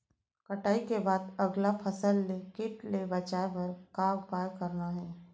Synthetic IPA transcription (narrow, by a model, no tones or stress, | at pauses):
kɐʈaːikebaːd̪ɐɡlapʰəsəlːekɪʈlebɐt͡ʃaːepɐɾkaːwpaːjkəɾnaɦɛː